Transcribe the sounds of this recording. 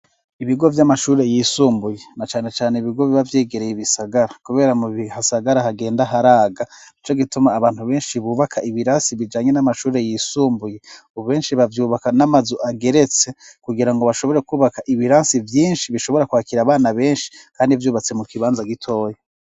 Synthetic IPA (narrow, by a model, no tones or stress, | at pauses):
iβiɡo̞vjamaʃuːɾe̞jiːsuːmbuje̞nat͡ʃaːne̞t͡ʃaːneiβiɡo̞βiβavje̞ːɡe̞ɾe̞jiβisaɡaɾakuβe̞ːɾamuβihasaɡaɾaɦaɡe̞ːndaɦaɾaːɡait͡ʃo̞ɡitumaːβaːnhuβe̞ːnʃiβuːβakʰaʔiβiɾaːnsiβid͡ʒaːɲe̞namaʃuːɾe̞jiːsuːmbuje̞ | uβuβe̞ːnʃiβavjuːβakanamazuʔaɡe̞ɾe̞t͡sekuɡiɾaŋɡo̞βaʃo̞βo̞ɾekuːβakaʔiβiɾaːnsivjiːnʃiβiʃo̞βo̞ɾakwaːkiɾaβaːnaβe̞ːnʃi̥kaːndivjuːβat͡se̞mukiβaːnzaɡitʰo̞ːje